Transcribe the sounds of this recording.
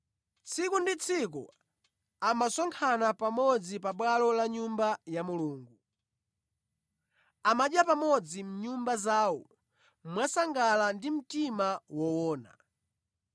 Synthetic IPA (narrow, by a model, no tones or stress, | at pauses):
t͡sʰikundit͡sʰik̬ṵ | amasɔŋkʰanapamɔd͡zipaɓwalɔlaɲumbajamuluːŋɡu | amaɗjapamɔd͡zim̩ɲumbazaːwɔ | mwasaŋɡalandim̩timawɔwɔːna̰